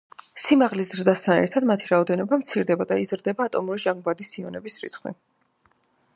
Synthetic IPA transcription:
simaʁlizzɾd̪ast̪ʰanɛ̰ɾt̪ʰad̪mat̪ʰiɾaɔd̪ɛnɔbamt̪sʰiɾd̪ɛbad̪aizɾd̪ɛbaːt̪ʼɔmuɾiʒaŋɡbad̪isiɔnɛbisɾḭt̪ʰχwḭ

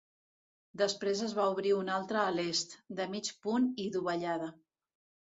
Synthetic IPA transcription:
d̪əspɾezəzβauβɾiunalˠt̪ɾəːlest̪d̪əmit͡ʃpuniðuβəʎaðə

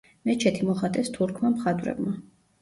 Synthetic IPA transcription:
mɛt͡ʃʰɛt̪ʰimɔχat̪ʼɛst̪ʰuɾkʰmamχad̪ʼvɾɛ̰bma

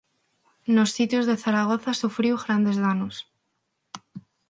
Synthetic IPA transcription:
nosːit̪jozðeθaɾaɣ̞oθasufɾiwɣɾand̪ezðanos

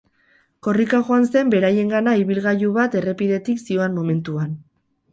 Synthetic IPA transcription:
ko̞rikaʝoanse̞mbe̞ɾaje̞ŋɡanaiβilɣajuβat̪e̞re̞piðe̞t̪iksio̞ammo̞me̞nt̪uan

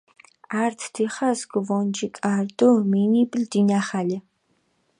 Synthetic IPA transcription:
aːrtʰtʰiːχɐsɡɨvoːnd͡ʒiːkʼaːrtʼomiːniːbʼɨɮdinaːχaːɮɐ

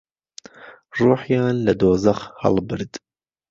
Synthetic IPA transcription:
ruːħjɑːnlɐd̪oːzɐxhɑ̰lbɨɾd̪̥

